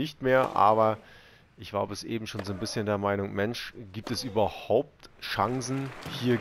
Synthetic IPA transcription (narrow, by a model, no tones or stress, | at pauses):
ɪçtmeːɐʔa̰ːbɐ | ʔɪçɡ̥a̰ʊbɛsʔḛːbm̩ʃoːnzoːnbɪsçəndeːɐmaɪnʊŋmɛnʃɡ̥iːp̚tɛsʔyːbɐhaʊp̚tʃaŋzn̩hiːɐ